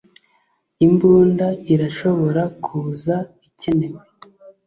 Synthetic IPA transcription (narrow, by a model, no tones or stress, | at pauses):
imbuːndaiɾaʃo̞βo̞ɾakʰuːzaice̞ne̞we